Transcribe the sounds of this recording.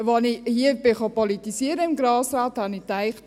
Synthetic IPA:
ʋɑnɪhiəbɪχɑpɔlitisiːɾəɪmɡɾɑːsɾɑːthɑnitaɪχt

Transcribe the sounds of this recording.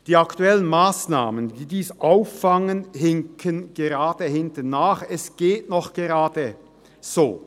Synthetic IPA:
d̥iːaktuɛlənmaːsnaːməndiːdiːsʔaʊfːaŋənɦɪŋkʰənɡ̥eʁaːd̥əhɪntənːaːχɛsɡ̥eːtnɔχɡ̥eʁaːdə | z̥oː

